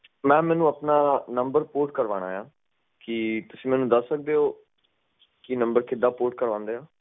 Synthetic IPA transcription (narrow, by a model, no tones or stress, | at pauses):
mɛ̃ːmɛːnũːəpnaːnəmbəɾpoːʈkəɾʋa̰ːɽ̃a̰ːjaː | kit̪ʊsĩːmɛːnũːd̪əsːək̚d̪eːɦoː | kinəmbəɾkʰɪd̪aːpoːʈ̚kəɾʋãːnd̪eːaː